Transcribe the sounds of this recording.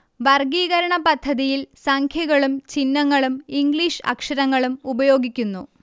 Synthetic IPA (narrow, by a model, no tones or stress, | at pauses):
ʋɐrɡiːɣɐɾɐɳɐpɐd̪ʱːɐðijilsɐŋkʰjɐɣɐɭumt͡ɕinːɐŋːɐɭumiŋɡɭiʂɐ̰kʂɐɾɐŋːɐɭumubɐjo̞ːɡikʲːunːu